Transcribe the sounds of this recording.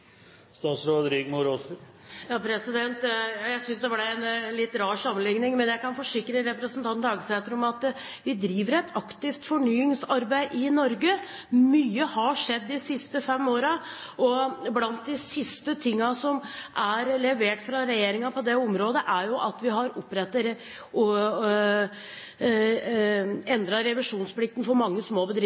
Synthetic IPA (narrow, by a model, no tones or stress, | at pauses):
st̪ɑːt̪sɾoːd̪əɾɪɡmʊɾo | jɑːpʰɾɛsɪd̪ɛnt̪ːjæɪsʏnsd̪ɛʋɑɖæɛnlɪt̪ːɾɑːʂɑmːənlɪŋnɪŋmɛnjæɪkɑnfɔʂɪkːɾəɾɛpɾəsn̩t̪ʰɑnɑːɡəsɛnt̪ɾʊmɑt̪ | ʋɪd̪ɾiːʋəɾɛt̪ʰɑkt̪ɪft̪fɔɳyːɪŋsɑɾbæɪʔɪnɔɾɡə | myːəhɑʂɛd̪ːɪsɪst̪əfɛmːoːɾɑʔɔblɑnt̪̚d̪ɪsɪst̪ət̪ʰɪŋːɑsɔmʔæɾlɛʋeːʈfɾɑɾɛjeːɾɪŋɑpʰɔd̪ɛɔmɾoːd̪əʔæɾjʊʔɑt̪ʋɪɦɑɾʊpːɾɛt̪ːəɾ | ɔ | ɛnd̪ɾɑɾɛʋɪʂuːnspʰlɪkt̪ən̩fɔɾmɑŋːəsmoːbəd̪ɾɪ